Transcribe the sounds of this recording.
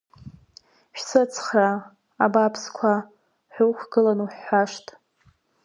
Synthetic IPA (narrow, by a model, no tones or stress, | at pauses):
ʃᶣsɨt͡sʰχra | abapʰskʷʰa | ħʷᶣowχʷɡɨlanuħːaʂtʼ